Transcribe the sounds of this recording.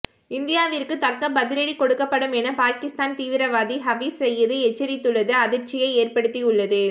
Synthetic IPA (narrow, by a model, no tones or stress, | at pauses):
ɪnd̪ɪjaːʋɪrkɯt̪ɐkːɐbɐðɪlɐɽikɔɽɯkːɐpːɐɽɯmɛnɐpaːkɪst̪aːnt̪iːʋɪɾɐʋaːðiɦɐʋisɛjːɐðɯɛt͡ʃːɐɾɪt̪ːɯɭːɐðɯɐðɪɾt͡ʃːɪjɐɪeːrpɐɽɯt̪ːiʊɭːɐðɯ